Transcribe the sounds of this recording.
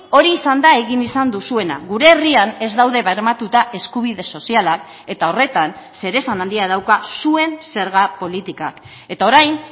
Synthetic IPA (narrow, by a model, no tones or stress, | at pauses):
o̞ɾiːsand̪ae̞ɣinisand̪usue̞na̰ɣuɾe̞ːriane̞zd̪awðe̞βeɾmat̪ut̪aʔe̞skuβ̞iðe̞so̞sialak | e̞t̪ao̞re̞t̪an | se̞ɾe̞sanand̪iaðawkasue̞nse̞ɾɣapo̞lit̪ika̰k | e̞t̪ao̞ɾajn